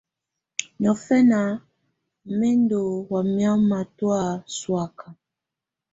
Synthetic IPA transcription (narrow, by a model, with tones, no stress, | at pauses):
ɲɔ˨fɛ˦na˨ | mɛ˦ndo˨wa˨mja˦ma˨twa˦˨swa˨ka˨